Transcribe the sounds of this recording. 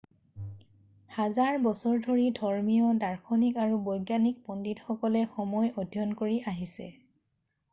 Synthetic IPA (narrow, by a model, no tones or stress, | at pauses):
hazaɹbɔsɔɹdʱoɹidʱɔɹmijɔdaɹkʰɔnikaɹubɔjɡjanik̚pɔnditxɔkɔlɛxɔmɔjɔdʱjɔnkoɹiʔaɦisɛ̰